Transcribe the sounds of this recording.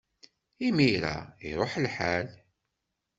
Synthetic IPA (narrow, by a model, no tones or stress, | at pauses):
imiɾa̰iɾˤoħlħal